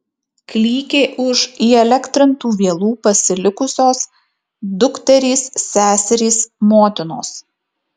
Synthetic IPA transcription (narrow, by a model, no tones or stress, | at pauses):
klʲiːkʲeːʔʊʃiːɛlʲɛkt̪ʲɾʲɪnt̪uːʋʲiɛlˠuːpɐsʲɪlʲɪkʊsʲoːs | d̪ʊkt̪ʲɛɾʲiːsːʲæːsʲɛɾʲiːsmoːt̪ʲɪnoːs